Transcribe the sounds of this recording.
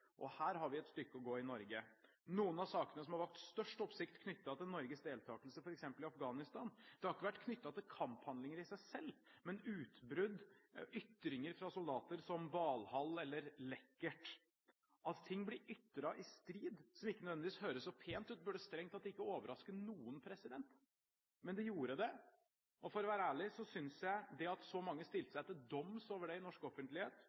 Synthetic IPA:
ʔɔhæːɾɦɑɾʋɪɛt̪st̪ʏkːəɔɡoːɪnɔɾɡə | nuːənɑsɑːkənəsɔmhɑɾʋɑlkt̪st̪œʂʈɔpsɪkt̪kʰnʏt̪ːɑt̪ɪlnɔɾɡəsd̪eːlt̪ʰɑːkəlsəfɔɾɛksɛmpəlɪɑfɡɑːnɪst̪ɑːnd̪̥ɛhɑɾɪkːəʋæʈːkʰnʏt̪ːɑt̪ɪlkʰɑmphɑnd̪lɪŋəɾɪsæɪsɛlːmɛnʉːt̪bɾʉd̪ʏt̪ːɾɪŋəɾfɾɑsʊld̪ɑːt̪əɾsɔmʋɑːlhɑlːɛlːəɾlɛkːəʈ | ʔɑt̪ʰɪŋːblɪɾʏt̪ːɾɑʔɪst̪ɾiːd̪sɔmɪkːənœd̪ɛd̪ɪʋiːshøːɾəsɔpʰeːnt̪ʉːt̪̚bʉɖɛst̪ɾɛŋt̪ɑt̪̚d̪ɛɪkːəoːʋəɾɑskənuːənpʰɾɛsɪd̪ɛnt̪ | mɛnd̪ɛjuːɾəd̪ɛ | ʔɔfɔɾɔʋæːɾəæːɭɪsɔsʏnsjæɪd̪ɛɑt̪sɔmɑŋːəst̪ɪlt̪əsæɪt̪ːɪld̪ɔmsoːʋəɖɛɪnɔʂkɔfənt̪lɪheːt̪

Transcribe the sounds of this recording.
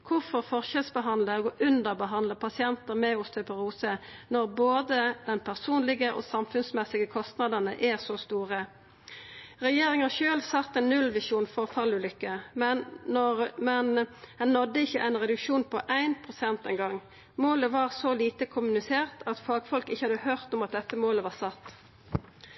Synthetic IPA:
kʰʊʁfɔʁfɔʁʃɛlsbəɦɑnd̪ləɡoːʔʉnd̪əʁbəɦɑnd̪ləpʰɑsɪɛnt̪əʁmɛʊst̪ʰœpəʁuːsənɔʁboːd̪əd̪ɛnpʰæʁsuːnlɪɡəʔo̰ːsɑmfʉnsmɛsɪɡəkʰɔst̪nɑd̪əʁnəʔɛsɔst̪uːʁə | ʁɛjeːʁɪŋɑʃøːlsɑt̪ːɛnnːʉlʋɪʂuːnfɔʁfɑlʉːlʏkːəmɛɔmɛnhɛnːɔd̪ːəɪçːəʔæɪnʁɛd̪ʉkʃuːnpʰɔʔæɪnpʰʁʊsɛnt̪ɛɪŋɡɑŋː | moːləʋɑːʁsɔliːt̪əkʰʊmʉnɪseːʁt̪ʰɑt̪fɑːɡfɔlkɪçəhɑd̪əhøːʁt̪ʊmɑt̪̚d̪ɛt̪ːəmoːləʋɑːʁsɑt̪ː

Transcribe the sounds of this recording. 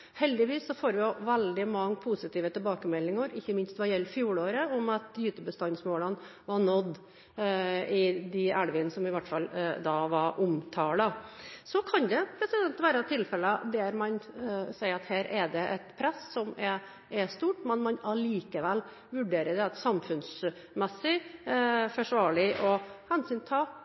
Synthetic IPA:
hɛld̪ɪʋiːsːɔfoːɾʋɪjʊʋɛld̪ɪmɑŋːpʰusɪt̪iːʋət̪ɛlbɑːkəmɛlːɪŋəɾɪçːəmɪnst̪ʋɑjɛlːəfjuːɽoːɾəʊmɑt̪jʉːt̪ʉːbəst̪ɑnsmoːlən | ʋɑnɔd̪ː | ɪd̪ɪæɽʋɪnsɔmɪʋæʈːfɑld̪ɑːʋɑɾʔʊmt̪ʰɑːɖ̪ɑsɔkʰɑnd̪ɛpʰɾɛsɪd̪ɛnt̪ʋæːɾət̪ʰɪlfɛlːəd̪ɛæɾmɑnsæɪəɾɑt̪hæːɾʔɛɖ̪ɛʔɛt̪pʰɾɛssɔmɛ | ɛst̪uːʈmɛnmɑnɑliːkəʋɛlː | ʋʉɖeːɾəd̪ɛɑt̪sɑmfʉnsmɛsːɪ | fɔʂʋɑːɭɪʔɔhɛnsyːnt̪ʰɑː

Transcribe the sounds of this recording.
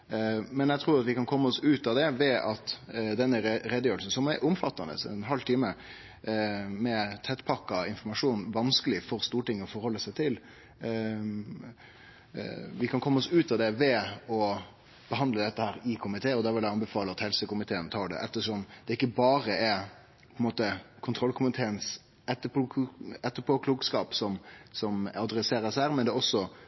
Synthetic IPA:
mɛnjæɡt̪ʰɾuːɾɑt̪ʋɪkɑnkʰɔmːəɔsʉːt̪ɑd̪ɛʋɛɑt̪d̪ɛnːəɾɛd̪əjøːɾəlsn̩sɔmæɾʔʊmfɑt̪ːɑnə̰sɛ̰nɦɑlːt̪ʰiːmə | mɛt̪ʰɛt̪ːpʰɑkːɑɪnfɔɾmɑʂuːnʋɑnskəlɪfɔɾst̪uːʈɪŋːɔfɔɾhɔlːəsæɪt̪ʰɪl | ʋɪkʰɑnkʰɔmːɔsʉːt̪ɑd̪ɛʋɛɔ | b̥əɦɑnd̪ləd̪ɛt̪ːəhæːɾɪkʰʊmɪt̪ʰeːɔd̪æɾʋɪlæɑnbəfɑːləɑt̪hɛlsəkʊmɪt̪ʰeːənt̪ʰɑːɖɛ̰ʔɛt̪ːəʂɔmd̪̥ɛɪkːəbɑːɾəɛ | pʰɔɛnmoːt̪əkʰʊnt̪ʰɾɔlkʰʊmɪt̪ʰeːəns | ɛt̪ːəpːɛt̪ːəpʰɔkʰluːɡskɑːpsɔmsɔmɑd̪ɾɛseːɾəsæːɾmɛnd̪ɛɔsːɔ

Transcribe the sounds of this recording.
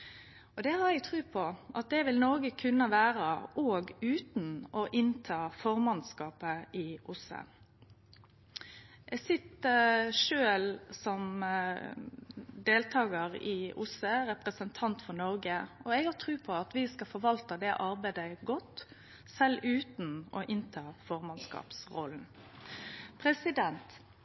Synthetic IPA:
ɔd̪ɛhɑɾɛɡ̚t̪ʰʁʉːpʰɔʔɑt̪̚d̪ɛʋɪlnɔɾɡəkʰʉnːəʋæːɾəʔoːɡʉːt̪n̩ɔʔɪnt̪ʰɑːfɔɾmɑnskɑːpəɪʔʊsə̰ | ɛɡsɪt̪əʂøːlsɔm | d̪eːlt̪ʰɑːɡəʁɪʔʊsəɾɛpɾəsənt̪ʰɑnt̪fɔnɔɾɡəɔɛɡhɑt̪ʰʁʉːpʰɔɑt̪ʋɪskɑfɔɾʋɑlt̪əd̪ɛʔɑɾbæɪd̪əɡɔt̪ | sɛlːʉːt̪n̩ɔʔɪnt̪ʰɑːfɔʁmɑnskɑ̰ːpsʁɔ̰ln̩ | pʰɾɛsɪd̪ɛnt̪

